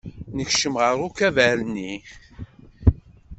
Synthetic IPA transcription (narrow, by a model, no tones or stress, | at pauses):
nəçʃəmʁəɾˤʊkævæɾni